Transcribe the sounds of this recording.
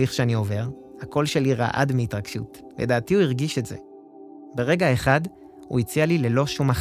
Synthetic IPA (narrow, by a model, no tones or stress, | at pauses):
iχʃeanio̞ve̞ʁ | hako̞lʃe̞liʁa̰ʔa̰dmeitʁaɡʃṵt | ledaːtiuiʁɡiʃe̞tzḛ | be̞ʁe̞ɡae̞χad | hṵit͡sialile̞lo̞ʃumaχ